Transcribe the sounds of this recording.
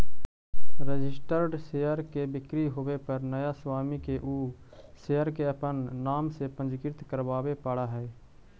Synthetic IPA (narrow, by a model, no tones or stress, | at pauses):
ɾəd͡ʒɪsʈəɾɖseːjəɾkebɪkɾiɦoːwepəɾnəjaswaːmikeʔuː | seːjəɾkeəpənːaːmsepə̃nd͡ʒkɪɾt̪kəɾbaːwepaːɽaɦɛː